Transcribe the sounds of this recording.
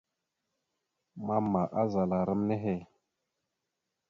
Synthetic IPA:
ma˦mːa˨ʔa˦za˨la˨ɾə˦mne˦ɦe˦˨

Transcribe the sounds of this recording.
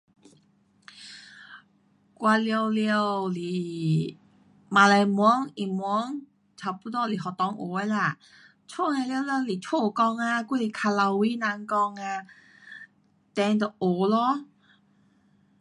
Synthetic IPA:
kwa˧li˧ə˧wli˧ə˧wli˨˩ | mã˧la˧jmɔ˧˦ŋi˨˩mɔ˧˦ŋ | t͡sʰa˨˩pu˧˥t̪ɔ˧˨li˨˩ɦɔ˨˩t̪ɔ˧˦ŋʔo̰˨˦a˧la˧˩˨ | t͡ɕʰo˥˨na˧li˧wlɛ˧li˨˩t͡ɕʰo˥˧˩kɔ˧ŋa˧ku˥˧˨li˨˩kʰa˧la˧wi˦nã˧˦ŋkɔ˧ŋa˧ | t̪ɛ˧ŋt̪ɔ˨˩ʔo˨˦lɔ˧˥˦

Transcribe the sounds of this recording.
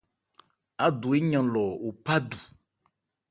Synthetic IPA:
a˨ɖo˨e˦ɲã˨lɔ˨wo˨pa˦ɖu˨

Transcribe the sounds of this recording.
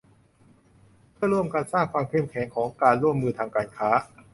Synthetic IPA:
pʰɯ˥˩ɐɾu˥˩əmkaː˧nsaː˥˩ŋkʰwaː˧mkʰe˥˩mkʰɛː˩˦ŋkʰɔː˩˦ŋkaː˧nɾu˥˩əmːɯː˧t̪ʰaː˧ŋkaː˧nkʰaː˦˥

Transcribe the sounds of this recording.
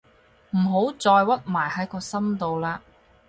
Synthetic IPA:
m̩˨˩ɦo˨˥wt͡sɔː˧jwɐ˥t̚maː˨˩jhɐ˨˥jkɔː˧sɐ˥mt̪o˨wlaː˥

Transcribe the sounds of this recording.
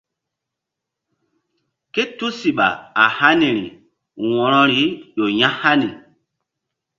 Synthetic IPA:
ke˦tu˦si˨ɓa̰˨a˨ha˦ni˨ɾḭ˨ | wɔ̃˨ɾɔ̃˦ɾi˨˦ɗo˨ɲã˦ha˦ni˨

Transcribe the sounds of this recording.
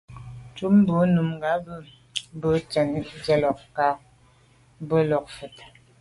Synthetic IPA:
t͡ʃu˦m˦bə˨˦nu˨m˨ɡa˨˦bə˦ | bə˦t͡ʃə˨n˦d͡ʒɛ˦lɔ˨kka˦ | bə˦lɔ˨k̚fə˨t

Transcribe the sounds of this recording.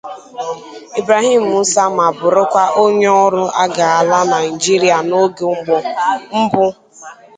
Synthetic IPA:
i˨bɾa˨ɦi˦m̩˨u˨˦sa˦m˨a˨bʊ˨ɾʊ˦kʷa˦ʔo˦ɲ˦ɔ˦ɾʊ˦a˦ɡa˨a˨la˦na˨i˨d͡ʒi˦ɾi˦a˨no˦ɡe˨ŋ͡mm̩˦bʊ˦

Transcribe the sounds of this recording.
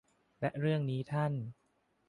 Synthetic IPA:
lɛ˦˥ʔɾɯ˥˩əŋniː˦˥t̪ʰa˥˩n

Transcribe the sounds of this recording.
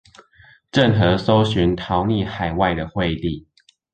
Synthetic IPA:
ʈ͡ʂə˥˨nxɤ˨˧˦so˦ʊɕy˨˦nt̪ʰɑ˨˦ʊni˥˨xa˨˩ɪwa˥˨ɪd̪ə˩xwe˥˧ɪt̪i˥˨

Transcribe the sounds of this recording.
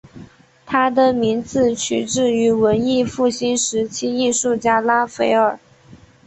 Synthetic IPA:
t̪ʰa˥d̪ə˨mi˧˥nt͡sɹ̩˥˧t͡ɕʰy˧˥ʈ͡ʂɻ̩˥˩y˧˥wə˧˥ni˥˧fu˥˩ɕi˥nʂɻ̩˧˥t͡ɕʰi˥i˥˧ʂu˥˩t͡ɕja˥la˥fe˧˥ɪə˞˨˩

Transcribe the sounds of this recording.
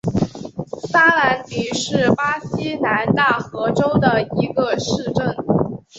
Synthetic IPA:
sa˥la˧˥nt̪i˨˩ʂɻ̩˥˩pa˥ɕi˥na˧˥nt̪a˥˩xɤ˧˥ʈ͡ʂo˥ʊd̪ə˨i˧˥ɡə˧ʂɻ̩˥˧ʈ͡ʂə˥˩n

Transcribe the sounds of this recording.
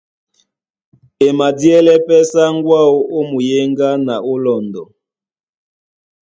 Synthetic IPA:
e˨ma˨djɛ˦lɛ˦pɛ˦sa˦ŋ˦ɡwa˦o˦o˦mu˨je˦ŋɡa˦na˨o˦lɔ˨ndɔ˨

